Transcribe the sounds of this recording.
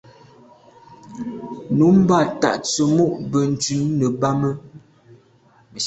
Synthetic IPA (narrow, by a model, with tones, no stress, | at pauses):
nu˨˦m̩˦ba˦˨ta̰˨ʔt͡sə˨mo˦˨ʔbə˨n̩˨t͡ʃʉ˨˦nːə˨ba˦mə˦ | mə˨